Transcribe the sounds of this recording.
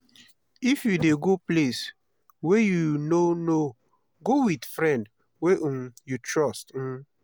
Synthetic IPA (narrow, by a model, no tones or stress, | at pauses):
ifjudeɡoples | wɛjunono | ɡowidfɾɛ̃nd | weʔumjutɹɔst̩